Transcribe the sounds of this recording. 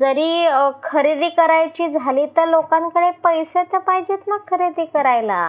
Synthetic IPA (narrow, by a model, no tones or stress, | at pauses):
d͡zəɾiːkʰəɾid̪iːkəɾajt͡ɕiːd͡zʱaliːt̪əɾlokãŋkəɽepəjset̪əɾpaɦid͡ʑet̪məɡkʰəɾid̪iːkəɾajla̰